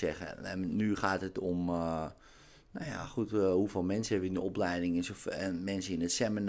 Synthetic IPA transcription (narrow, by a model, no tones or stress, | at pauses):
ɛχə̰ɛ̰nyχaːtətom | nawja̰xuthufelˠmɛnsəɛʋindəoplɛjdɪŋɛnsomɛnsəinətsɛmən